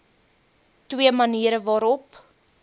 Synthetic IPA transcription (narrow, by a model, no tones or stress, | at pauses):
twiəmɐniːɾəvɑːɾɔp